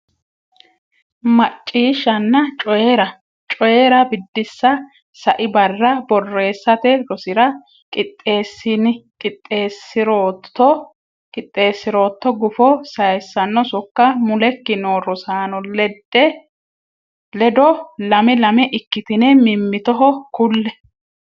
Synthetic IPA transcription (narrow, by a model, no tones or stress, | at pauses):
mɐt͡ʃʼːiːʃːɐnːɐt͡ʃʼɔjɛɾɐ | t͡ʃʼɔjeɾɐbɪd̪ːɪsːɐ | sɐʔɪbɐrːɐbɔrːe̞ːsːɐt̪ɛlɔsɪɾɐ | kʼɪt̪ʼːeːsːɪnɪkʼɪt̪ʼːeːsɪɾoːt̪ːɔ | kʼɪt̪ʼːe̞ːsːɪɾo̞ːt̪ːɔɡʊfɔsɐjsːɐnːɔsɔkːɐmʊlɛkːɪnoːrɔsaːnɔlɛd̪ːɛ | lɛd̪ɔlɐmɛlɐmɛʔɪkːɪt̪ɪnɛmɪmːɪt̪ɔɦɔkʊlːɛ